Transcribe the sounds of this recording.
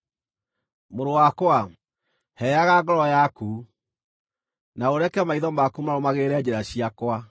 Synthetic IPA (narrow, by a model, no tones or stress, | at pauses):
moɾowakwa | hɛjaɣaɡɔɾɔjaku | naoɾɛkɛmaiðɔmakumaɾomaɣeɾɛd͡ʑɛɾaɕiakwa